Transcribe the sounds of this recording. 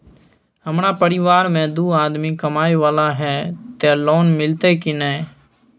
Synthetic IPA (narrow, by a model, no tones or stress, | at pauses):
ɦəmnapəɾɪʋaːɾmẽd̪uːaːd̪mikəmaːeʋaːlaɦɛːt̪elɔːnmɪlt̪ekinɛ